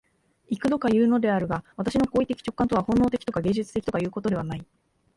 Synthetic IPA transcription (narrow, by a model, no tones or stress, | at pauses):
ikɯ̟d̪o̞kajɯ̟ːno̞d̪e̞aɾɯ̟ɡaβat̪aɕino̞koːit̪ekʲi̥t͡ɕo̞̥kːãnt̪o̞β̞ahõ̞nːo̞ːt̪e̞kʲi̥t̪o̞kaɡe̞ːd͡ʑɨt͡sɨ̥t̪e̞kʲt̪o̞kajɯ̟ːko̞t̪oe̞βanai